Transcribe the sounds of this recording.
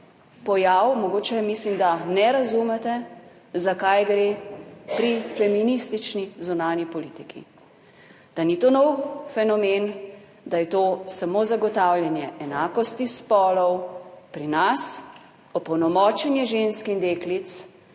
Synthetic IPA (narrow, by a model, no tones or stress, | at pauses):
pɔjawmɔɡoːt͡ʃɛmislimd̪anɛɾazumɛt̪ɛ | zakajɡɾeːpɾifɛminist̪it͡ʃnizunaːnjipɔliːt̪ikʰḭ | d̪̥anit̪oːnɔwfɛnɔmen | d̪ajɛt̪oːsamozaɡɔt̪awljɛnjɛʔɛnaːkɔst̪ispɔːlɔwpɾinas | ɔpɔwnɔmɔːt͡ʃɛnjɛʒenskind̪eːklit̪s